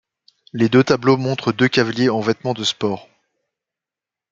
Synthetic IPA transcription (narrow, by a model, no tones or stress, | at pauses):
led̪øt̪ablomɔ̃t̪χəd̪økʲavaljeɑ̃vɛt̪mɑ̃d̪əspɔːʁ